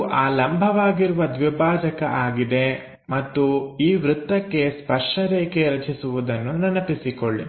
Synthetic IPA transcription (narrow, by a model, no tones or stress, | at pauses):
ʔaːlɐmbʱɐʋaːɡiɾuʋɐd̪ʋibʱaːd͡ʒɐkɐ̰ʔaːɡid̪e̞ | mɐt̪ːuiːʋɾut̪ːɐkːe̞spɐʂʈɐɾeːkeɾɐt͡ʃʰisuʋud̪ɐnːunɐnɐpisikoɭːḭ